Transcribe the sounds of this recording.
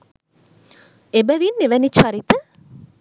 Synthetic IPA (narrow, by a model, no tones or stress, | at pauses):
ebəʋinːeʋænit͡ʃaɾit̪ə